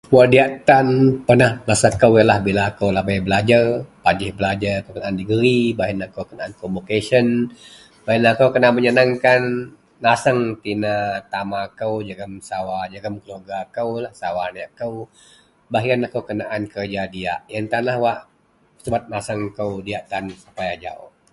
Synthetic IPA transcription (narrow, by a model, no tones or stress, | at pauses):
puadiat̪anpənahlasakəwjəlahbilakəwlabajbəlad͡ʒarpad͡ʒɪhbəlad͡ʒaɾakowkənaandiɡəɾibaɦijənakəwkənaʔankomukesən | bajənakəwkənaʔməɲanaŋkanː | asəŋt̪inat̪amakəwd͡ʒəɡəmsawad͡ʒəɡəmkəluarɡakəwlahsawaniaʔkəw | baɦijənakəwkənaʔankərd͡ʒadia̰ʔjənt̪anlahwaʔ | səbat̪̚masəŋkəwdiaʔt̪ansupajad͡ʒa̰ʊ̰h